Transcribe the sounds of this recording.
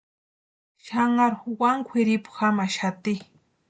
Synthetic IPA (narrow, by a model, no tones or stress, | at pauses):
ʃaŋaɾxwaŋkʷʰeɾɪpʊ̥xamaʃat̪ɪ